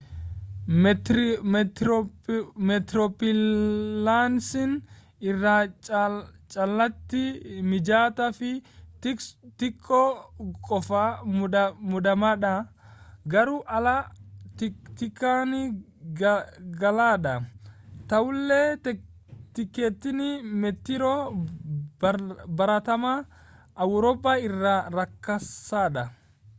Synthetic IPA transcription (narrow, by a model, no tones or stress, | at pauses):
mɛt̪ɾɔpɪlːansɪn | ɪrːa | t͡ʃʼɐlːɐt̪ːɪmɪd͡ʒaːt̪ɐfɪt̪ɪkt̪ɪkʼːɔkʼɔfɐ | mʊd̪ɐmɐᶑɐ | ɡɐɾuʔɐlɐtt̪ɪkːaːnɪ | ɡɐlaːᶑɐt̪ɐwʊlːe | t̪ɪkːeːt̪ːɪnɪmɛt̪ːɪɾɔ | bɐɾɐt̪ɐma | ʔɐwɾɔːpːaːɪrːaːɾɐkːɐsːaːᶑɐ